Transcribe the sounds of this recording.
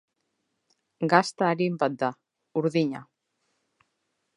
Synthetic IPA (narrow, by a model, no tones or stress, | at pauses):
ɡast̪aaɾimbad̪a | uɾðiɲa